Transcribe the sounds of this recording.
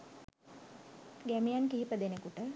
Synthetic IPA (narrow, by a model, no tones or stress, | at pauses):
ɡæmijankiɦipəd̪enekuʈə